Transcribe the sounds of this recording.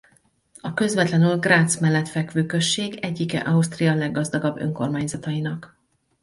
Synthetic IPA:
ɒkø̞zvɛt̪lɛnylɡraːt̪smɛlːɛt̪fɛkʋøːkø̞ʃːeːɡɛɟːikɛ̰ʔɒust̪rijɒlɛɡːɒzd̪ɒɡɒbːø̞̰ŋko̞rmaːɲzɒt̪ɒjinɒk

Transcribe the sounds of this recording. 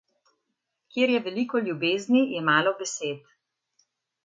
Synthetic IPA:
kjeːɾjɛʋɛlikɔlʲjubeːznijɛmaːlɔbɛseːt̪

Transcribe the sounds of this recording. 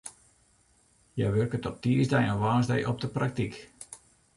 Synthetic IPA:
jɛjʋørkətɔt̚tiəzdɛjɔnʋaːzdɛjʔɔp̚dəprak̚tik

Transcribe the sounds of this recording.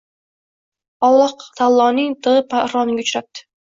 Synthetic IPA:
ɒlˠːɑt̪ʰalˠːɒnɪŋt̪ʰɨʁɨpaɾɒnɪŋɡʲʊt͡ʃɾap̚t̪ʰɪ̥

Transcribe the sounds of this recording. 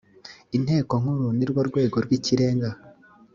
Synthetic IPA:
in̥he̞ːko̞ŋ̥uɾuniɾɡwoɾɡwe̞ːɡo̞ɾɡwiciɾe̞ːŋɡa

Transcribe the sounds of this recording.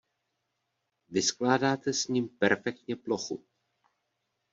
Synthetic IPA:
vɪsklaːdaːt̪ɛsɲiːmpɛɾfɛk̚t̪ɲɛplo̞xu

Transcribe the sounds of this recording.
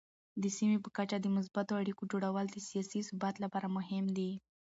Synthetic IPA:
d̪əsimepəkat͡ʃad̪əmʊs̬bat̪oaɽikod͡ʒoɽawəld̪əsijɑsisʊbat̪lapɑɾamʊɦɪmd̪i

